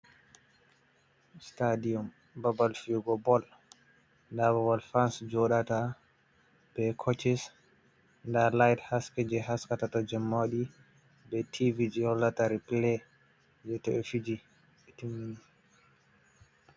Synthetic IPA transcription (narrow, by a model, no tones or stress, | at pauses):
stadiɔm | babalfiɡɔbɔl | ndaβawalfansd͡ʒɔɗata | b̥ɛkʰɔt͡ʃis | ndalajthaskɛd͡ʒɛɦaskatatɔd͡ʒɛmːaɗi | bɛtʰivid͡ʒiɔlːataɾiplɛ | d͡ʒɛtɔɛfid͡ʒi | ɛtimin